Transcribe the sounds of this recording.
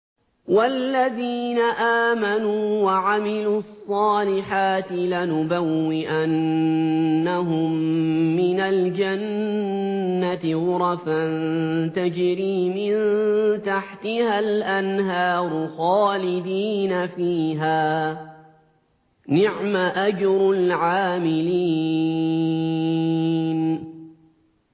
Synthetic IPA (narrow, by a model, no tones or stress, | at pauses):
walːaðiːnaʔaːmanuːwaʕamɪluːɑsˤːɑːlɪħaːt̪ɪlanʊbawːɪʔanː | aɦʊmːɪnald͡ʒanː | at̪ɪwʊɾˤɑfant̪ad͡ʒɾiːmɪnt̪aħt̪ɪhalʔanɦɑːɾˤʊxɑːlɪd̪iːnafiːɦaː | nɪʕmaʔad͡ʒɾlʕaːmɪliː | n